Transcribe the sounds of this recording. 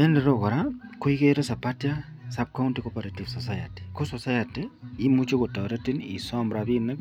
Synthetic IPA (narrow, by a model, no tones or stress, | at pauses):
ɛndeɾokɔɾakoikeɾosapatja | sap̚kauntikopaɾatifsɔsaja̰ti̥kosɔsajatiimut͡ʃokotɔɾetinḭsɔmbɾabinak